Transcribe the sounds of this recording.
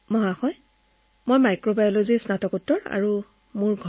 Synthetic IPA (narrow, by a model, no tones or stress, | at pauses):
mɔɦaxɔj | mojmajkɹobajɔlozisnatɔkutːɔɹa̰ɹu | muɹɡʱ